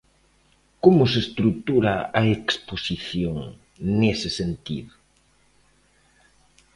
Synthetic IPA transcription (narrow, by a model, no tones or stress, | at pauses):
komʊsest̪ɾut̪uɾaɐeksposiθjoŋ | nesɪsent̪ḭðʊ